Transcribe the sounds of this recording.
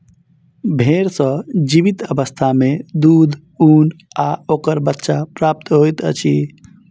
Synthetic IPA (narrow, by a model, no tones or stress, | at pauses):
bʱeɾsə̃d͡ʒiβit̪əbəst̪ʰamed̪ud̪ʱ | unaokəɾbətːʃapɾap̚t̪ɦojt̪ə̰t͡ʃʰi